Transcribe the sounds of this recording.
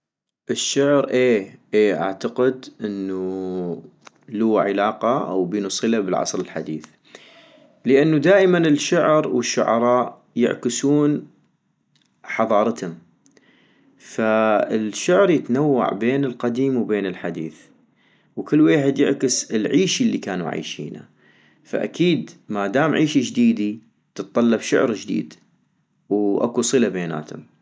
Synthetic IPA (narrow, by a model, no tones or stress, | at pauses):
ʔɪʃːʊʕɾʔeːʔeːʔa̰ʕt̪aqɪd̪ʔɪnːu | lʊwːa̰ʕɪlaːqɑʔa̰wbɪjnʊsˤɨlabəlʕɑ̰sˤɾɪlħa̰d̪iːθ | ləʔanːud̪aːʔɪmanɪlʃʊʕɾwɪʃːʊ̰ʕɑ̰ɾˤɑːʔ | jɪ̰ʕkɪsuːn | ħɑðˤɑːɾˤɑt̪hʊm | faɪlʃʊʕɾjɪt̪nawːa̰ʕbeːnɪlqɑd̪iːmwbeːnɪlħad̪ḭːθ | wkɪlːweːħɪd̪jɪ̰ʕkɪsɪlʕiːʃilːikaːnṵʕa̰jʃḭːna̰ | fa̰ʔa̰kiːd̪mad̪aːmʕiːʃid͡ʒd̪iːd̪i | t̪ɨt̪ˤːɑlːɑbʃʊ̰ʕɾd͡ʒd̪ḭːd̪ | wʔa̰kusˤɨlabeːna̰ːt̪hʊm